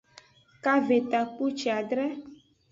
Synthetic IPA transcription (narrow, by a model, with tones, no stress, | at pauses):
ka˦ve˨t̪a˨k͡pu˦t͡ʃi˨a˨ɖɾɛ˦